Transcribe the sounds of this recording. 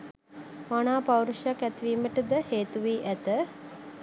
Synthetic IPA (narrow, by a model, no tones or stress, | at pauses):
manaːpawɾuʃjakæt̪iʋiːməʈəd̪əheːt̪uʋiːʔæt̪ə